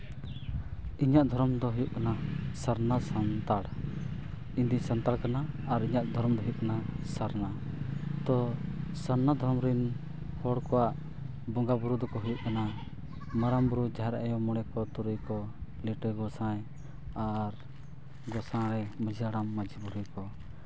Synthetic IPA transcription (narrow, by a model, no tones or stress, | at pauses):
iɲaʔd̪ʱɔɾɔmd̪ɔɦujuʔkanasaɾnasant̪aɽ | ind̪isant̪aɽkanaːɾiɲaʔd̪ʱɔɾɔmd̪ɔɦujuʔkanasaɾna | t̪ɔsaɾnad̪ʱɔɾɔmɾin | hɔɽkɔwaʔ | bɔŋɡabuɾud̪ɔkɔɦujuʔkana | maɾambuɾud͡ʒaɦɛɾaʔɛjɔmɔɽ̃ɛkɔt̪uɾujkɔliʈəɡɔsãj | aɾ | ɡɔsãɾɛməd͡ʒʱiaɽamːad͡ʒibuɾujkɔ